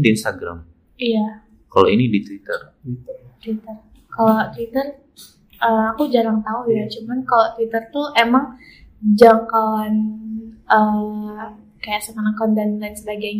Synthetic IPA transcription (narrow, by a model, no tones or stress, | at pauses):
diinst̪aɡɾa̰m | ija | kalo̰inidit̪wit̪ə̰rt̪t̪wit̪ər | kalot̪wit̪ər | ʔəakud͡ʒaɾaŋt̪aujat͡ʃumankalot̪wit̪ərt̪uʔemaŋd͡ʒaŋkawanʔə | kajaʔsəkanaŋkandanlansəbaɡajɲ